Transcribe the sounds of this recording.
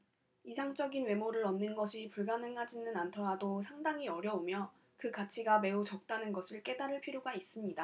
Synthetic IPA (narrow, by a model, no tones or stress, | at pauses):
isʰaŋt͡ɕ͈ʌɡinwe̞moɾɯɾʌnːɯnɡʌɕʰipuɭɡanɦɯnɦad͡ʑinɯnantʰʌɾados̬ʰaŋdaŋiʌɾjʌomjʌ | kɯkat͡ɕʰiɡame̞ut͡ɕʌk̚t͈anɯnɡʌsʰɯɭk͈e̞daɾɯɭpʰiɾjoɡais͈ɯmɲida